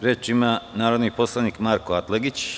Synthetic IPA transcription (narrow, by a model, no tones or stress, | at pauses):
ɾeːt͡ʃimanaːɾod̪nipo̞slˠaniːkmaɾkoat̪leɡit͡ɕ